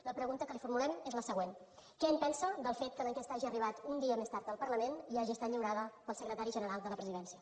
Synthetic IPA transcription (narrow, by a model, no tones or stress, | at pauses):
ləpɾəɣunt̪əkəlifuɾmulɛmezləsəɣwen | kɛaɲpɛnsəd̪əlˠfet̪̚kəðəŋkest̪əaʒiəriβat̪und̪iəmest̪aɾt̪əlˠpəɾləmeniaʒiəst̪at̪ʎəwɾaðəpəlˠsəkɾət̪aɾiʒənəɾalˠd̪ələpɾəziðɛnsiə